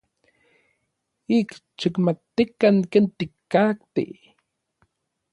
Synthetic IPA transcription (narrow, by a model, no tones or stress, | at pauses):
ikt͡ʃikmat̪ːikaŋkeːnt̪ikːakt̪ḭ